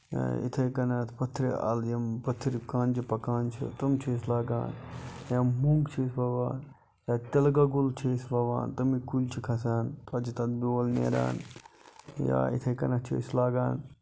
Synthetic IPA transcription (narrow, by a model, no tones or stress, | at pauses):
ḭt̪ʰɐjkɐnɐt̪ʰpɐt̪ʰːɾia̰ljɐmpɐt̪ʰːɾikaːnd͡ʒipɐkaːnt͡ʃʰḭt̪ɐmt͡ʃʰislaːɡa̰ːnjɐmmuŋɡt͡ʃʰisbɐʋaːn | jaːt̪ɐlɡaɡult͡ʃʰisbɐʋa̰ːnt̪ɐmikulʲt͡ʃʰikʰɐs̬aːnt̪ɐd͡ʒit̪ɐd̪̚biwɐlnḛːɾa̰ːn | ja̰ːḭt̪ʰɐjkɐnɐt͡ʃʰḭslaːɡaːn